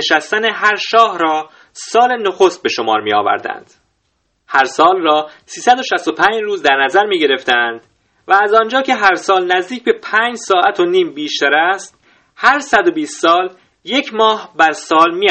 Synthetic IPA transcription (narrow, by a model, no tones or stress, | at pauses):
eʃæst̪æneɦæɾʃɒːhɾɒː | sɒːle̞noxo̞st̪̚be̞ʃomɒ̰ːɾmiːɒ̰ːvæ̰ɾd̪æ̰nd̪̥ | hæɾsɒːlrɒːsiːsæd̪o̞ʃæst̪o̞pʰæːɲd͡ʒruːzd̪æɾnæzæɾmiːɟe̞ɾe̞ft̪ænd̪̥ | væːzɒːnd͡ʒɒːcʰe̞ɦæɾsɒːlnæzd̪iːcbe̞pʰæːnd͡ʒsɒːʔæt̪ʰo̞niːmbiːʃt̪æɾæst̪ | hæɾsæd̪o̞biːst̪sɒːl | je̞cʰmɒːhbæɾsɒːlmiː